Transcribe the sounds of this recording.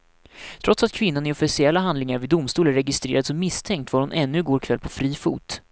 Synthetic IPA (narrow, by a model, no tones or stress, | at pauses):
t̪ʰɾɔt̪sat̪̚kʰvɪnːanɪɔfɪsɪɛlːaɦand̪lɪŋaɾvɪd̪ʊmst̪uːlæɾːɛɡɪst̪ɾḛːɾad̪sɔmːɪst̪ʰɛŋk̚t̪vaɾhʊnʔɛnːɵɡoːɾkʰvɛlːpʰɔfɾiːfṵːt̪